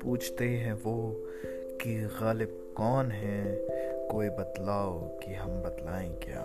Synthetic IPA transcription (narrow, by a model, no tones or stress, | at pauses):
puːt͡ʃʰt̪eɦɛ̃ʋoː | kiɣaːlɪb̚ | kɔːnɦɛ̃ | koːibɐt̪laːokiɦɐmbɐt̪laːẽɡja̰ː